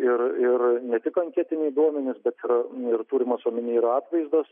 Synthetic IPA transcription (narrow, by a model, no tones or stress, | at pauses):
ɪɾɪɾnʲɛt̪ʲɪkɐŋʲkʲæt̪ʲɪnʲɛɪd̪uɔmʲɛnʲɪsbʲɛt̪ɪɾɪrt̪uːɾʲɪmɐsuɔmʲɪnʲiːɪɾɑːt̪ʋɐɪzd̪oːs